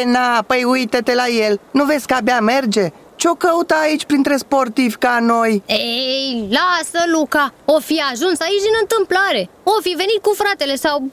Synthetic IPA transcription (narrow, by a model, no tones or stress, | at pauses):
enapəjujt̪et̪e̞laje̞lnuve̞t̪sʲkabeame̞rd͡ʒe̞ | t͡ʃeo̞kəut̪aːit͡ʃʲpɾint̪ɾe̞spo̞rt̪ivʲkano̞jejlasəlukaofiaʒunsait͡ʃd̪inɨnt̪ɨmplaɾe̞ofive̞nit̪̚kufɾat̪e̞le̞saw